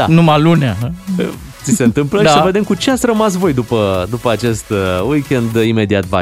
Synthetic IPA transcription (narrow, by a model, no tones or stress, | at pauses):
a̰numalunea | t̪sise̞ɨnt̪ɨmpləʃisve̞d̪e̞mkut͡ʃe̞at̪sʲrəmas̬vo̞jd̪upəd̪upəat͡ʃe̞st̪wikʲe̞nd̪ime̞d̪iat̪va̰